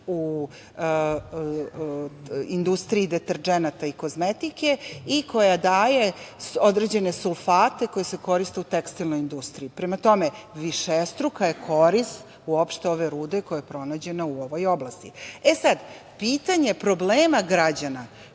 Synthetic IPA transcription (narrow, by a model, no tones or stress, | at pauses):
u | ind̪ust̪ɾiːd̪et̪eɾd͡ʒenat̪aiko̞zmet̪ike̞iko̞jad̪aːje̞od̪ɾed͡ʑe̞ne̞sulˠfaːt̪e̞ko̞jese̞ko̞ɾist̪e̞ut̪ekst̪ilˠno̞jind̪ust̪ɾiipɾemat̪o̞me̞ʋiʃest̪ɾukaje̞kʰo̞ɾist̪ | uo̞pʃt̪eo̞ʋe̞ɾuːd̪ekojajepɾo̞naːd͡ʑe̞nauoʋo̞jo̞blast̪iesad̪ | piːt̪aɲe̞pɾo̞bleːmaɡɾad͡ʑana